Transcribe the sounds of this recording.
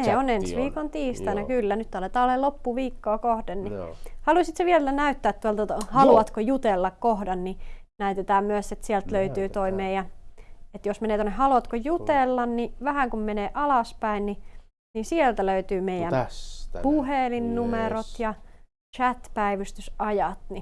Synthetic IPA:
eonensʋiːkont̪iːst̪ɑnækylːænyt̪ːɑlet̪ɑːlːelopːuʋiːkːoːkohdennihɑluisit̪seʋielænæyt̪ːæːt̪t̪uolt̪t̪ɑhɑluɑt̪kojut̪elːɑkkohdɑnninæyt̪et̪æːmmyæset̪siɛlt̪løyt̪yːt̪oimeijænet̪josmeneːt̪onːehɑluɑt̪kojut̪elːɑnniʋæhæŋkummeneːʔɑlɑspæinni | nisielt̪æløyt̪yːmeijæmpuhelinnumeɾot̪jɑ | t͡ʃæt̪pæiʋyst̪ysɑjɑt̪ni

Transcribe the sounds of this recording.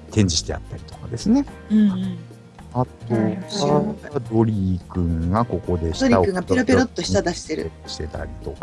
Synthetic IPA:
t̪ẽ̞ɲ̟d͡ʑiɕi̥t̪e̞̰a̰t̪ːaɾʲi̥t̪o̞̥kad̪e̞sɨne̞ | ɯ̟̃ɴ̃ɴ | at̪o | ad̪o̞ɾʲikɯ̟̃ŋɡako̞ko̞d̪e̞ɕi̥d̪oɾʲiakɯ̃ŋɡapɾopʲeɾo̞t̪ːo̞ɕi̥t̪ad̪aɕi̥seɾɯ̟̰ɕi̥t̪e̞t̪a̰ɾʲit̪o̞ka

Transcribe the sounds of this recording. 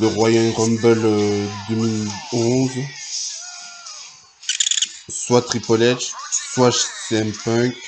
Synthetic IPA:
d̪əʁwajanʁɔmbœlød̪əmilɔ̃z | swat̪χipɔlɛʒswaʃt̪ɛ̃mpœ̃k

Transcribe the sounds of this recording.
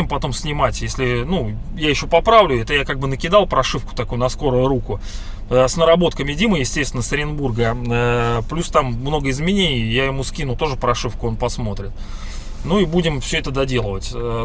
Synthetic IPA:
ɪmpɐt̪o̞msʲnʲɪmatʲjesʲlʲɪnu | jajɪɕːo̞pɐpɾavlʲʊɛt̪əjakaɡ̚bɨnəkʲɪd̪ɑlˠpɾɐʂɨfkʊ̥t̪ɐkujʊnɐsko̞ɾʊjʊɾukʊ | əsnəɾɐbo̞t̪̚kəmʲɪdʲiməjɪsʲtʲest̪ʲɪnəsəɾʲɪnburɡəəplʲust̪amːno̞ɡəɪzmʲɪnʲenʲɪjjaɪmuskʲinʊt̪o̞ʐɨpɾɐʂɨfkʊo̞npɐsmo̞t̪ɾʲɪt̪̚ | nuibudʲɪmfsʲɵɛt̪əd̪ɐdʲe̞lˠəvətʲə

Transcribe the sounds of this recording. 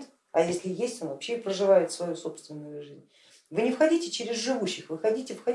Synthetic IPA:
t̪ | ɐjesʲlʲɪjesʲtʲo̞nvɐpɕːeɪpɾəʐɨvajɪt̪svɐjuso̞pst̪vʲɪnːʊjʊʐɨzʲnʲ | vɨnʲɪfxɐdʲitʲɪt͡ɕeɾʲɪzʐɨvuɕːɪxvɨxɐdʲitʲɪfxɐ

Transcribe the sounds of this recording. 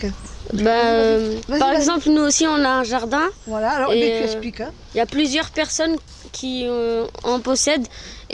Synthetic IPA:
bɛøpaʁɛɡzɑ̃plnuosiɔ̃naɛ̃ʒaʁd̪ɛ̃alaeɛsik | iljaplyzjœʁpɛʁsɔn | kʲʰiøɑ̃pɔsɛd̪

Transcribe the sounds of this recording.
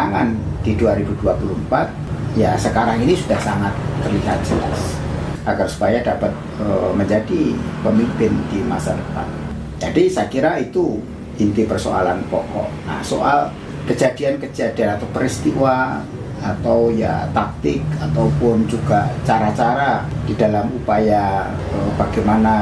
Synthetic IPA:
aŋan | d̥iduaɾibuduapulumpat̪̚jasəkaɾaŋinisudahsaŋat̪̚ːərliɦat̪̚d͡ʒ̥əla̰sʔaɡarsu̥pajadapat̪̚ | əməɲd͡ʒadipəmimpɪnd̥ima̰sadəpa̰n | d͡ʒadisakiɾait̪u | int̪ipərso̰a̰lanpɔ̰kɔ̰ʔna̰hsoʔal | kəd͡ʒadiankəd͡ʒadianat̪awpəɾist̪iwaː | t̪awja̰t̪ak̚t̪ɪk̚at̪awpʊnd͡ʒuɡa̰t͡ʃaɾat͡ʃaɾad̥idalamupaja | əb̥aɡajmana

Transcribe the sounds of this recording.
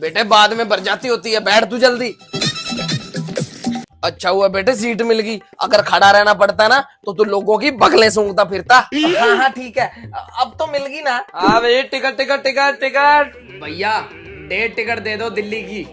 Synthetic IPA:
beːʈeːbaːd̪mẽːbəɾd͡ʒaːt̪iɦoːt̪iɦɛːbɛːʈt̪uːd͡ʒəld̪iː | ətːʃʰaːɦʊaːbeːʈeːs̬iːʈmɪlɡiː | ə̰ɡəɾkʰaːɽaːɾɛːnaːpəɽt̪anaːt̪oːt̪uloːɡõːkiːbəɡlẽːs̬ʊ̃ːŋɡt̪̬aːpʰɪɾt̪aːɦãːɦãːʈʰiːkɦɛːəb̚t̪õːmɪlɡiːnaːaːʋeʈɪkəʈːʈɪkəʈʈɪkəʈʈɪkəʈ | bʱəijaː | ɖeːʈɪkəʈ̚d̪eːd̪oːd̪ɪlːiːkiː

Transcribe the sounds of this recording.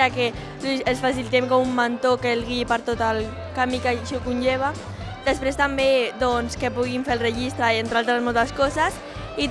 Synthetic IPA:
ake | lusəsfasilit̪emkɔmumːant̪okelɣiipəɾt̪ot̪al | kamikaʃɔkunʲʒeβ̞a | d̪əspɾest̪ambed̪ɔnskepuɣiɱfelˠrəʒist̪ɾaient̪ɾalˠt̪ɾazmolˠt̪askɔzas | i

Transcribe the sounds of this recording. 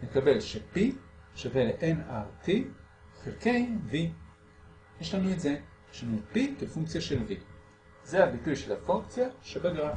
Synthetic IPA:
nekabelʃepiʃaveleʔenati | χilkejmvi | jeʃlanuetze | ʃanupikefuŋk̚t͡sijaʃelvi | zehabitujʃelhafuŋkt͡sjaʃebaɡaɾ

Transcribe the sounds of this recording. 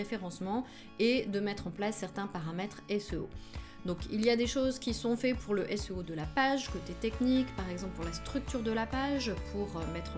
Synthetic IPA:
efeʁɑ̃smɑ̃ | ed̪əmɛt̪χɑ̃plasːɛʁt̪ɛ̃paʁamɛt̪χɛsøo̰ | d̪ɔ̃kilijad̪eʃozkʲisɔ̃fɛpuʁləʔɛsøod̪əlapaʒkot̪et̪ɛknikpaʁɛɡzɑ̃pləpuʁlast̪χyk̚t̪yʁd̪əlapaʒpʰuʁømɛt̪χ

